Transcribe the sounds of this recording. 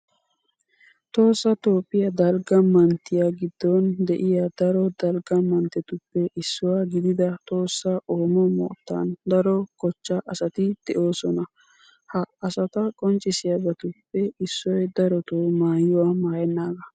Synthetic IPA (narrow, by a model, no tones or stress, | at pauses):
t̪o̞ːsːɐt̪o̞ːpʼːɪjɐd̪ɐlɡɐmɐnt̪ːɪjaɡɪd̪ːɔnd̪ɛʔɪjad̪ɐɾɔd̪ɐlɡɐmɐnt̪ːɛt̪ʊpːɛʔɪsːʊwaːɡɪd̪ɪd̪ɐt̪ʼo̞ːsːɐʔoːmɔmɔ̰ːt̪ːa̰nd̪ɐɾɔkɔt͡ʃːɐʔɐsɐt̪ɪd̪̥ɛʔo̞ːsɔnɐ | hɐɐsɐt̪ɐkʼɔnt͡ʃʼːɪsɪjɐbɛt̪ʊpːɛɪsːɔjd̪ɐɾɔt̪omaːjʊwaːmaːjɛnːaːɡɐ